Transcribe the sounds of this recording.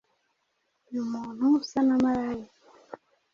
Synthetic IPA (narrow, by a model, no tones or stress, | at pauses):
numonusanamaɾaji